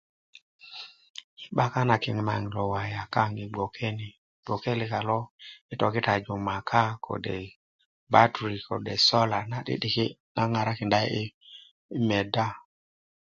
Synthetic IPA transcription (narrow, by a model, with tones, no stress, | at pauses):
i˦ɓa˦ka˦na˨kɪ˨ŋ˨ma˨ŋ˨lɔ˨wa˨ja˨ka˦ŋi˨ɡ͡bo˨kʰe˦ni˨ | ɡ͡b̥o˨ke˦li˨ka˨lɔ˦i˦tɔ˨ki˦ta˨d͡ʒu˨ma˨kʰa˦kʰo̰˨dḛ˨ | ba˦tɾi˨ko˨de˨sɔ˦la˨na˨ɗḭ˦ɗi˨ki˦na˦ŋa˨ɾa˦kɪ˨nda˦i˦ | me˨da˦